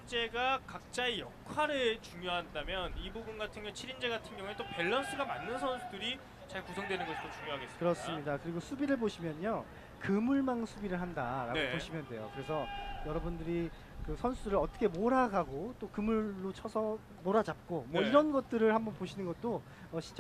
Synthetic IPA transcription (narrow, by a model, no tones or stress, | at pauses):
d͡ʑe̞ɡakak̚t͡ɕ͈aejʌkʰwaɾet͡ɕuŋjoɦandamjʌnibuɡunɡatʰɯŋɡjʌŋt͡ɕʰiɾind͡ʑe̞ɡatʰɯnɡjʌŋuet͈ope̞ɭːʌns͈ɯɡamanːɯnsʰʌnsʰudɯɾi | t͡ɕaɭkusʰʌŋdwenɯnɡʌst͈ot͡ɕuŋjoɦaɡeskɯɾʌs͈ɯmɲidakɯɾiɡosʰubiɾɯɭboɕʰimjʌɲo | kɯmuɭmaŋsʰubiɾɯɭɦandaɾa̰ɡopoɕʰimjʌndwe̞jo̰kɯɾe̞sʰʌjʌɾʌbundɯɾi | kɯsʰʌnsʰudɯɾɯɭʌt͈ʰʌ̥kʰe̞moɾaɡaɡot͈okɯmuɭːot͡ɕʰʌsʰʌ | moɾad͡ʑap̚k͈omwʌiɾʌnɡʌt̚t͈ɯɾɯɭhambʌnpoɕʰinɯnɡʌt̚t͈o | ʌɕʰint͡ɕ